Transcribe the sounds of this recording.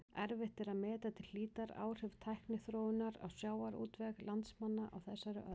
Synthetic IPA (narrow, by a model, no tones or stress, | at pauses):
ɛɾvɪht̪ɪɾaðmɛːt̪at̪ʰɪlːiːt̪aɾa̰ːwr̥ɪv̥t̪ʰajhknɪθɾoːwɪnaɾa̰wsjaːwaɾṵːt̪vɛɣlant̪smanːaʔa̰wθɛsːaɾʏ̰ʔœ